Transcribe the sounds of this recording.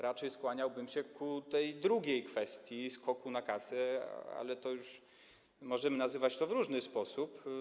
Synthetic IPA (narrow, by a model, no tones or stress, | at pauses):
ɾat͡ʂɛjskwaɲawbɘmɕɛkut̪ɛjd̪ɾuɡʲejkfɛst̪ʲjiskɔkunakasɛa̰lɛt̪ɔjuʂ | mɔʐɛmɘnazɘvat͡ɕt̪ɔvɾuʐnɘspɔsup